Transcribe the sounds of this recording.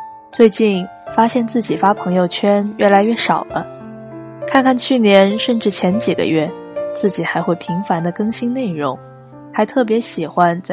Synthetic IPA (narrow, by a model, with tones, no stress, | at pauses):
t͡swe˥˧ɪt͡ɕi˥˩n | fa˥ɕjɛ˥˧nt͡sɹ̩˥˩t͡ɕi˨˩fa˥pʰɤ˧˥ŋjo˥˧ʊt͡ɕʰɥɛ˥nɥɛ˥˩la˧˥ɪɥɛ˥˩ʂɑ˨˩ʊlə˦ | kʰa˥˧nkʰa˥˧nt͡ɕʰy˥˩njɛ˧˥nʂə˥˧nʈ͡ʂɻ̩˥˩t͡ɕʰjɛ˧˥nt͡ɕi˨˩ɡə̰˦ɥɛ˥˩t͡sɹ̩˥˩t͡ɕi˨˩xa˧˥ɪxwe˥˩ɪpʰi˧˥ŋfa˧˥nd̪ə˧kɤ˥ŋɕi˥nne˥˩ɪɻʊ˧˥ŋ | xa˧˥ɪt̪ʰɤ˥˩p̬jɛ˧˥ɕi˨˩xwa˧˥nt͡s